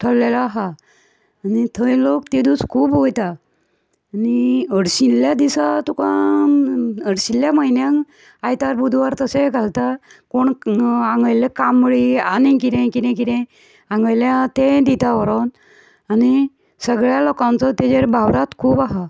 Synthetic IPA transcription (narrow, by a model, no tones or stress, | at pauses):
t̪ʰəlːelaːɦaː | nit̪ʰəilokt̪id̪uskʰuːbɦojt̪aː | niəɽɕilːjad̪isat̪ukã | əɽɕiljaməɦinjaŋ | ajt̪aɾbud̪ʱʋaɾt̪əseɡʱalt̪akoɳãŋɡəjlekamɭianĩkiɾẽkid̪ẽkiɾɛ̃ | aŋɡəjljat̪ed̪it̪aʋəɾon | ani | səɡɭjalokãnt͡sɔt̪ed͡ʑeɾbʱawɽat̪kʰuːbaɦa